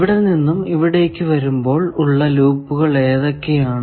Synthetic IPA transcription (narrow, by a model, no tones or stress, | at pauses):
ʋiɽeninːumiʋiɽe̞ːkʲːɨʋɐɾumbo̞ːɭuɭːɐluːpːuɣɐɭe̞ːðokːejaːɳɨ